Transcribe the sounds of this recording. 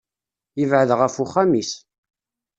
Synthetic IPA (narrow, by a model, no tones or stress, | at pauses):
jəvʕəðʁəfuχːæmis